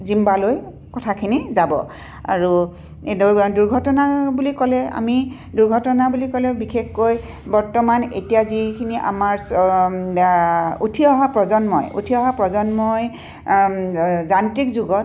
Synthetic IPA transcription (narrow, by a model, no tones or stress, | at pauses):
zimbaloj | kɔtʰakʰinizabɔ̰ | a̰ɹu | duɹɡʱɔtɔnabulikɔlɛa̰mi | duɹɡʱɔtɔnabulikɔlɛbixʰexkoj | bɔɹtɔmanḛtijazikʰiniʔa̰maɹs | utʰiɔɦapɹɔzɔnmɔ̰jṵtʰiɔɦapɹɔzɔnmɔj | zantɹikzuɡɔt